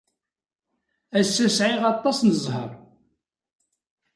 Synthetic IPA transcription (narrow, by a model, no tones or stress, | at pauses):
æsːæsʕɪʁɑt̪ˤːɑsnəzˤhə̰ɾˤ